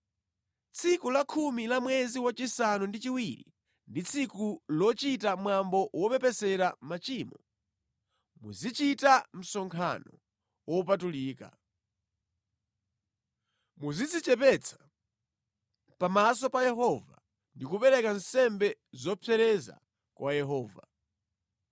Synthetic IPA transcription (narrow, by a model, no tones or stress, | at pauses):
t͡sʰikulakʰumilamwɛziwat͡ʃisanundit͡ʃiwiɾḭ | ndit͡sʰikulɔt͡ʃitamwambɔwɔpɛpɛsɛɾamat͡ʃiːmɔ | mṵzit͡ʃitam̩sɔŋkʰa̰nɔ | wɔupatuliːka̰ | muzid͡zit͡ʃɛpɛt͡sʰḁ | pamas̬ɔpajɛɦɔva | ndikupɛɾɛkansɛmbɛzɔpʰɛɾɛza̰ | kwʔajɛɦɔːva̰